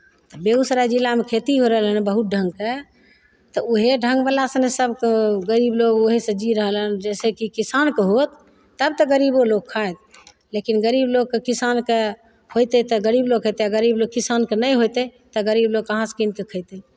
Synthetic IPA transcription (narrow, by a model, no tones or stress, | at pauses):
t̪ɔbeusɾad͡ʒilːamekʰet̪iɦoɾəɦəlɦənbəɦut̪̚ɖʱəŋɡke | t̪ɔoɦeɖʱə̃ŋɡbəlasənesəbkɡəɾibloɡoɦesə̃d͡ʒiɾəɦələnd͡ʒɛsekikisankeɦot̪ː | əb̚t̪əɡəɾiboloɡ̚kʰːaet̪ | lekinɡəɾibloɡ̚kekisanke | hojt̪et̪ɔɡəɾibloɡkʰət̪eaɡəɾibloɡ̚kisankenəjɦot̪ɛt̪ɔɡəɾibloɡ̚kəɦãskink̪ekʰəjt̪e